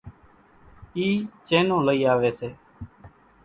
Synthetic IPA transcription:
iːt͡ʃeːnõːləiːaːʋeːseː

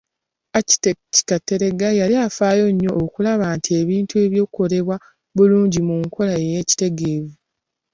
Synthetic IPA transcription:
aci̥teci̥katːe̞ɾe̞ɡajaliafaːjo̞ɲːo̞ʔːkulaβaːntʰie̞βiːntue̞βjo̞ːkuko̞le̞βwa | βuluːɲɟimuŋkʰo̞laeje̞ci̥te̞ɡe̞ːvu

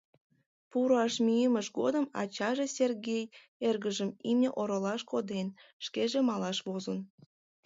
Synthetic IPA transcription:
puɾɑʃmyjəməʃɡod̪əmɑ̰t͡ɕɑʒesʲerɣʲej | erɣəʒəmimnʲeʔoɾolɑʃkod̪enʃkeʒemɑlɑʃβozən

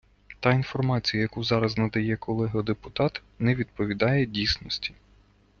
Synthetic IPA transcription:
t̪ɑinfɔrmɑt͡sʲijɐjɐkuzɑɾɐznɐd̪ɐjɛkɔlˠɛɦɐd̪epʊt̪ɑt̪ | nɛʋʲid̪pɔʋʲid̪ɑjɛdʲijsnɔsʲtʲi̥

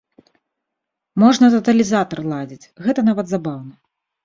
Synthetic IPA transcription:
mɔʐnɐt̪ɐt̪ɐlʲizat̪ɐrlˠad͡zʲit͡sʲɣɛt̪ɐnavɐd̪zabawnɐ

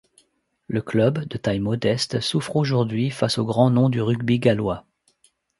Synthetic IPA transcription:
ləklœbd̪ət̪ajmɔd̪ɛst̪sufχoʒuʁd̪ɥifasoɡʁɑ̃nɔ̃d̪yʁyɡbiɡalwa

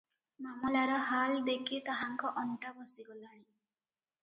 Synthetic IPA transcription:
mamɔlaɾɔɦald̪ekʰit̪ɔɦaŋkɔʔɔɳʈabɔsiɡɔlaɽ̃ĩ

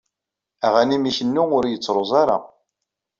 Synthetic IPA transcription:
æʁænimiçənːuʊɾjət͡sːɾˤozˤɑɾɑ̰

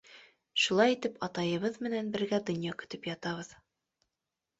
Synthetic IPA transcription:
ʃulˠɑjit̪ɘpɑt̪ɑjɤ̆βɤðmɘ̆nænbɘ̆ɾɡæd̪ŏnʲjɑkɵ̥̆t̪ɵpjɑt̪ɑβɤð

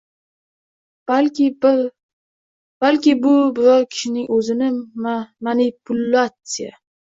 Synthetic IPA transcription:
lʲ | b̥alkʲɪbʊbɪɾɒɾkʲʰɪ̥ʃɪnɪŋʔɵzɪnɪmanipʰʊlːat̪sɨja̰

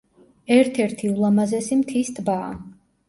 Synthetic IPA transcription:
ɛɾt̪ʰɛɾt̪ʰiulˠamazɛsimt̪ʰist̪ʰba̰ː

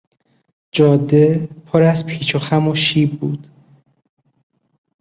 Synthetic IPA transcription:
d͡ʒɒːd̪epʰoɾæzpʰiːt͡ʃʰoxæmoʃiːbːuːd̪̥

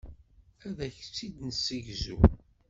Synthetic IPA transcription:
æðæçt͡sːid̪nəsəʝzṵ

